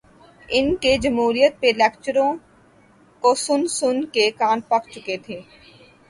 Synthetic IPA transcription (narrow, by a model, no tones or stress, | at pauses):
ɪnked͡ʒɐmɦuːɾijət̪̚pelɛːkt͡ʃəɾõ | kosʊnsʊnkekãːnpɐkt͡ʃʊket̪ʰeː